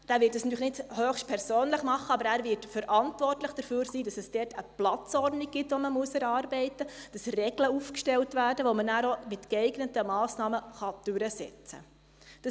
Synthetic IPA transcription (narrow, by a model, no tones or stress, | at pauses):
d̥æːʋɪːtd̥əsnɑtyːəxnɪdhøːχʃt̚pʰɛɾsøːnləχmɑχːəɑbəɾæːɾvɪtfəɾʔɑntvɔrtləχd̥əɾfyːɾsiːdɑsɛsd̥ɛːtəplɑt͡sɔrdnik̚ɡ̥ɪtʋɔməmuəsɛɾɑːɾbɛɪtəd̥ɑsrɛɡləufkʃtɛltʋæːrdəʋomənæːɾomɪtkɛɪɡnətəmɑːsnɑːməχɑd̥ʉɾəsɛ̰t͡sə̰ | d̥ɑ